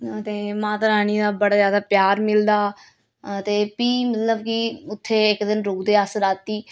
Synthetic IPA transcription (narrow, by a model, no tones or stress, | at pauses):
t̪eːmãːt̪aɾaːñiːd̪aːbəɽaːzjaːd̪aːpjaːɾmɪld̪aː | t̪eːpiːmət̪ləbkɪʊt̪ʰːeːɪkd̪ɪnɾuːɡd̪eːasəɾaːt̪ːiː